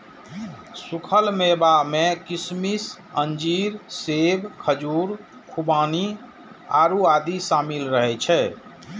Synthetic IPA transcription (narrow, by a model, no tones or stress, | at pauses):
sukʰəlmebamẽkismis | ənd͡ʒiːɾseːbkʰəd͡ʒuːɾ | kʰubaːni | a̰ːɾuaːd̪isaːmilɾəɦɛt͡ʃʰɛː